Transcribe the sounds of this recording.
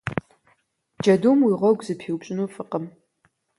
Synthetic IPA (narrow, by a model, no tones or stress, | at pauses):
d͡ʒɐduːmwiʁʷɔɡʷzɨpʰiwpɕʼɪnuːfɨqəm